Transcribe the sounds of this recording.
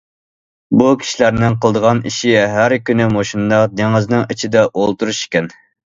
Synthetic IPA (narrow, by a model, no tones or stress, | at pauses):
bukʲʰi̥ʃilæɾnɪŋqʰəlˠd̪əʁɑniʃiɦæɾkʲynɪmoʃind̪ɑqd̪eŋɨznɨŋit͡ʃʰid̪ɛʔolˠt̪uɾuʃi̥kʲɛn